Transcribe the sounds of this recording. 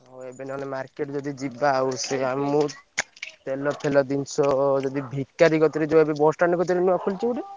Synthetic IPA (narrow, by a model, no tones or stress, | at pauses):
ɦoebenɔnemaɾkeʈd͡ʒɔd̪id͡ʒibaːwseammu | t̪elɔpʰelɔd̪int͡ʃʰɔd͡ʒɔd̪ibʱikːaɾiɡɔt̪ɔɾid͡ʒɔebebɔsʈanikɔt̪̬ɔɾiniakʰult͡ʃʰiuɖi